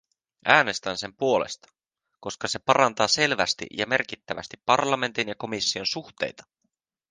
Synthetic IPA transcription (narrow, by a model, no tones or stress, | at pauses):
ʔæːne̞st̪ænse̞mpuo̞lḛst̪ɑ̥ | ko̞skɑse̞pɑɾɑnt̪ɑːse̞lʋæst̪ḭjʔɑme̞rk̟it̪ːæʋæ̰st̪ipːɑrlɑme̞nt̪injɑko̞misːio̞nsuxt̪e̞̰jt̪ɑ̥